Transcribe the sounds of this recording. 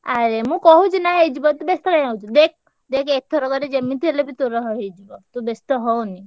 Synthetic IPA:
aɾemũkɔɦũt͡ʃinaɦed͡ʒibɔt̪ubest̪ɔkãj̃awd͡ʒʰud̪ek̚ʰ | d̪ekʰet̪ʰɔɾɔɡɔɾed͡ʒemːit̪ʰielebit̪oɾɔɦɔɦed͡ʒibɔt̪ubest̪ɔɦɔwni

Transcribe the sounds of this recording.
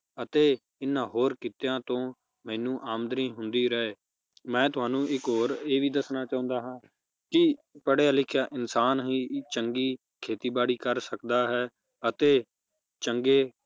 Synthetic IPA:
ət̪eː | ɪnːãːɦoːɾkiːt̪jãːt̪õː | mɛ̃ːnũːʔaːmd̪ɾĩːɦʊ̃nd̪iːɾɛeː | mɛ̃ːt̪ʊɦaːnũːɪkɦoːɾeːʋiːd̪əsnaːt͡ʃaːʊ̃ːnd̪aːɦãː | kɪpəɽejaːlɪkʰːjaːʔɪnsaːnɦĩːt͡ʃəŋɡiː | kʰeːt̪iːbaːɽiːkəɾsəkd̪aːɦɛː | ət̪eː | t͡ʃəŋɡeː

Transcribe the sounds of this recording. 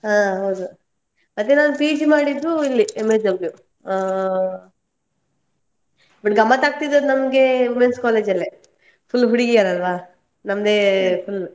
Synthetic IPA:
ɦaːɦɐwd̪u | mɐt̪ːenaːnupiːd͡ʒmaːɽid̪ːuilːiemed͡ʒɐbju | bɐʈɡɐmːɐt̪aːɡ̚t̪id̪ɐd̪nɐmɡeʋumenskaːleːd͡ʒɐlːe | pʰulːɦuɽiɡijaːɾɐlɐʋaː | nɐmɐd̪eːpʰul

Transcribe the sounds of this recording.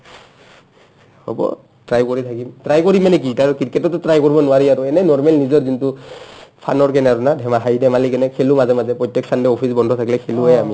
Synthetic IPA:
ho̰bɔ̰ | tɹajkoɹit̪ʰakimtɹajkoɹimanɛk̬itaɹukitkɛtɔtɔtɹajkoɹibɔnʊwaɹiaɹuɛnɛnɔɹmɛlnizɔɹzintupʰa̰nɔɹkɛnɛaɹunadʱɛmaɦajdʱɛmalikɛnɛkʰelumazɛmazɛpɹɔjtːɛksandɛopʰisbɔndʱɔt̪ʰakilɛkʰeluɛami

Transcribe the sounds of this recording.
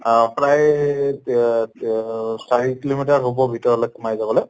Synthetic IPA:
pɹaj | saɹikilomitaɹɦobɔbʱitɔɹɔlɔkmajzabɔlɛ

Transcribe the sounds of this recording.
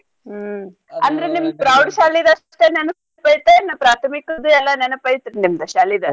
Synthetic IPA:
ɐnd̪ɐɾenimd̪pɾɐwɖʃaːlid̪ɐʂʈenɛnɐs | pɐjit̪enːɐpɾaːt̪ʰɐmikɐd̪uɛlːɐnɛnɐpɐjt̪iɾnimd̪ɐʃaːlid̪ɐ

